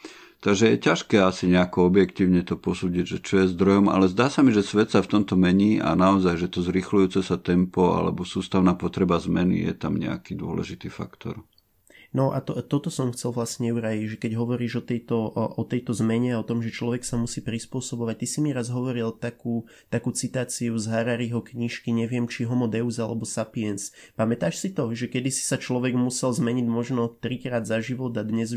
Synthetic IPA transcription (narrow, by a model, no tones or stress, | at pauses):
t̪aɡʒɛjɛcaʃkɛːasiɲɛakɔɔbjɛkt̪iːʊɲɛt̪ɔpɔsuːɟiɟʒɛt͡ʃɔjɛzd̪ɾɔjɔma̰lɛzd̪aːsamiʒɛsʋɛt̪saft̪ɔmt̪ɔmɛɲiːʔa̰naɔzajʒɛt̪ɔzɾixlujuːt͡sɛsat̪ɛmpɔa̰lɛ̰bɔsuːst̪aʊnaːpɔt̪ɾɛbazmɛnḭjɛ̰t̪amɲɛ̰a̰kid̪ʊɔ̰lɛ̰ʒit̪iːfa̰kt̪ɔ̰ɾ | nɔʔat̪t̪ɔt̪ɔsɔmxt͡sɛlʋlasɲɛuɾajiɟʒɛkɛɟɦɔʋɔɾiːʒɔt̪ɛjt̪ɔʔɔt̪ɛjt̪ɔzmɛɲɛaɔt̪ɔmʒɛt͡ʃlɔʋɛksamusiːpɾispʊɔsɔbɔʋac̚t̪isimiɾazɦɔʋɔɾilt̪akuː | t̪akuːt͡sit̪aːt͡siuzɦaɾaɾiɦɔkɲiʃkiɲɛʋɪɛmt͡ʃiɦɔmɔd̪ɛʊzalɛbɔsapiɛnspamɛt̪aːʃsit̪ɔʒɛkɛd̪isi̥sat͡ʃlɔʋɛɡmusɛlzmɛɲiɟmɔʒnɔt̪ɾikɾaːd̪zaʒiʋɔd̪ad̪ɲɛz